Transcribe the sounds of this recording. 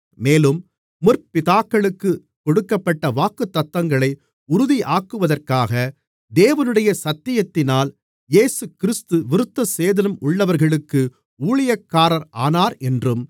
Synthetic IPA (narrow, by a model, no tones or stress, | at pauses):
meːlɯm | mʊrpɪðaːkːɐɭɯkːɯ | kɔɽɯkːɐpːɐʈːɐʋaːkɯt̪ːɐt̪ːɐŋɡɐɭɐɪ | ʊɾʊðiʔaːkɯʋɐðɐrkaːɣɐ | d̪eːʋɐnɯɽɐjɐsɐt̪ːɪjɐt̪ːɪnaːl | jeːsɯkɪɾɪst̪ɯʋɪɾɯt̪ːɐseːðɐnɐmʊɭːɐʋɐɾɣɐɭɯkːɯ | uːɭɪjɐkːaːɾɐɾʔaːnaːɾɛndrɯm